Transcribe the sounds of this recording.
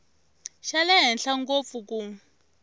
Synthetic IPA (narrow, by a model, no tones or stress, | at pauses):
ʃalɛɦɛnɬaŋɡop̪fuku